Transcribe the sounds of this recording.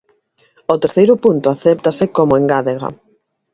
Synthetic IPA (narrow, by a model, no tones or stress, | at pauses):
ot̪eɾθejɾʊpunt̪ʊaθɛpt̪asɪkomoeŋɡaðeɣa̰